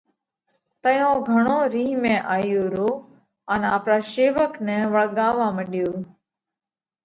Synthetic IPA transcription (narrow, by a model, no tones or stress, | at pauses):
t̪əjõːɡʱəɳ̃õːɾiːɦmẽːʔaːjoːɾoː | ənaːpɾaːʃeːʋəknəːʋəɭɠãːʋaːməɗɪjoː